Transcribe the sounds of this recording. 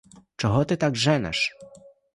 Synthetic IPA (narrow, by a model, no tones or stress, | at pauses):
t͡ʂɔɣɔt̪ɘt̪aɡʐɛnɛ̰ʂ